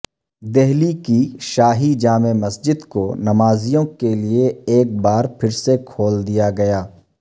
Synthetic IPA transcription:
d̪ɛɦlikiʃaːɦid͡ʒaːmemɐsd͡ʒɪd̪konɐmaːzijõkelieeːk̚baːɾpʰɪɾsekʰoːld̪ijaɡɐjaː

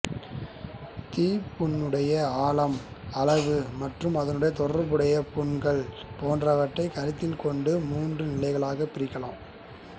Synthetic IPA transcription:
t̪iːpːʊɳːɯɽɐjɐaːɭɐm | ɐɭɐʋɯmɐʈrɯmɐðɐnɯɽɐjɐt̪ɔɽɐɾbɯɽɐjɐpʊɳɡɐɭ | poːndrɐʋɐʈrɐɪkɐɾɪt̪ːɪlkɔɳɖɯmuːndrɯnɪlɐɪɣɐɭaːɣɐpːɪɾɪkːɐɭa̰ːm

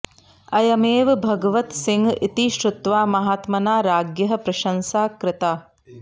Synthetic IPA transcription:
ɐjɐmeːʋbʱɐɡɐʋɐt̪siŋɡit̪iʃɾut̪ʋaːmɐɦaːt̪mɐnaːɾaːɡjɐɦɐpɾɐʃɐnsaːkɾɪt̪aː

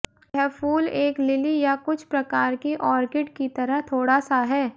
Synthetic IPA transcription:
ɦɛːfʰuːleːklɪlijakʊt͡ʃʰpɾɐkaːɾkiʔɔːɾɡɪʈkit̪ɐɾəɦt̪ʰoːɽaːsaɦɛː

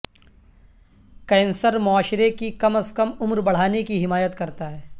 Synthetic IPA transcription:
kɛ̃ːnsəɾmʊaːʃɾekikɐməskəmʊmɾbɐɽ̤aːnekiɦɪmaːjət̪kɐɾt̪aɦɛː

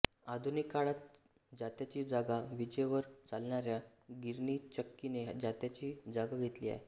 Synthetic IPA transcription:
ad̪ʱunikːaɭat̪̚ | d͡ʑat̪jat͡ɕiːd͡zaɡaʋid͡ʑeʋəɾt͡salɳaɾja | ɡiɾɳiːt͡ɕəkːined͡ʑat̪jat͡ɕiːd͡zaɡaɡʱet̪liːa̰ɦe

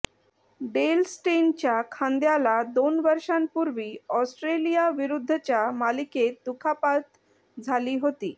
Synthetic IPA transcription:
ɖelsʈent͡ɕjakʰãnd̪jalad̪onʋəɾʂampuɾʋiːɔsʈɾelijaʋiɾud̪ʱːət͡ɕjamaliket̪̚d̪ukʰapat̪ | d͡zʱaliːɦot̪ḭː

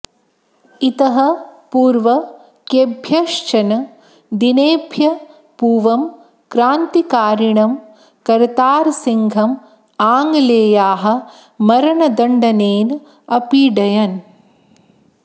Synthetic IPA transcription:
it̪ɐɦɐpuːɾʋɐ | kjebʱjɐʂt͡ʃɐnɐ | d̪ineːbʱjɐ | puːʋɐm | kɾaːnt̪ikaːɾiɳɐm | kɐɾt̪aːɾsiŋɡʱɐm | aːŋɡleːjaːɦɐ̆ | mɐɾɐɳɐd̪ɐɳɖɐneːn | ɐpiːɖɐjɐn

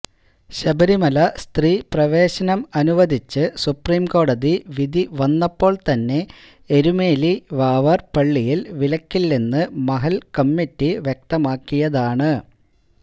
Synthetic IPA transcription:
ɕɐbɐɾimɐlɐst̪riːprɐʋe̞ːɕɐnɐmɐnuʋɐd̪ʱit͡ɕːɨsupriːmko̞ːɽɐðiʋid̪ʱiʋɐnːɐpːo̞ːɭt̪ɐnːe̞ː | ɾumeːliʋaːʋɐrpɐɭːijilʋilɐkːilːenːɨmɐɦɐlkɐmːiʈːiʋjek̚t̪ɐmaːkːijɐðaːɳɨ

